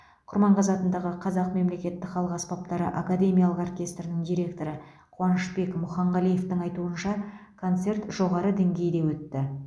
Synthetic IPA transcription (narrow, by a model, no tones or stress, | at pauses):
qʰʊɾmɑɴqɑzɑt̪ənd̪ɑʁəqʰɑzɑqme̞mle̞kʲe̞t̪ːɪkχɑlˠəqɑspɑp̚t̪ɑɾə̰ʔakad̪e̞mʲijalˠəqorkʲe̞st̪rnɪŋd̪ijɾʲe̞kt̪o̞ɾə | qʰʊwɑnəʃbe̞kmʊχɑɴʁɑlˠije̞ft̪ɪŋɑjt̪uənʃɑkʰo̞nt̪se̞rt̪ʒ̥o̞ʁɑɾəd̪eŋɡʲe̞jd̪e̞wɵt̪ːɪ